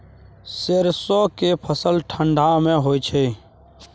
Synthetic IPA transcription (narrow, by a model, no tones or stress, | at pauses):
seɾsoːkepʰəsəlʈʰəɳɖʱamẽɦoːit͡ʃʰeː